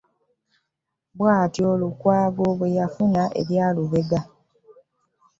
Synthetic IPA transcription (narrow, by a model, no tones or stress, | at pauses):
bwaːtiolukwaːɡo̞βwe̞jafunaʔḛβjaːluβe̞ɡa